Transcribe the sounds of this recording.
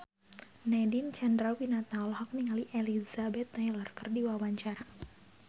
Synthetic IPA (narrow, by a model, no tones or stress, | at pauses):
nɛdint͡ʃɛndɾalwinat̪alhɔk̚niŋaliʔelizabɛt̪ːajlərkərdiwawaɲt͡ʃaɾa